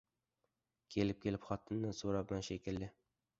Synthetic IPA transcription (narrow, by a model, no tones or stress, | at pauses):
kʲʰe̞lɪp̚kʲʰe̞lɪpχɒt̪ʰɨnːɪsoɾablanʃekʲɪld̪ɪ